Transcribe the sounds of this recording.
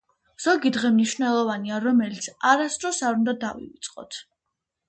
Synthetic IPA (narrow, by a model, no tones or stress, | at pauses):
z̥ɔɡid̪ʁɛmniʃvnɛlˠɔvaniaɾɔmɛlit̪sʰaɾasd̪ɾɔsaɾund̪ad̪avḭvit̪sʼqʼɔ̰t̪ʰ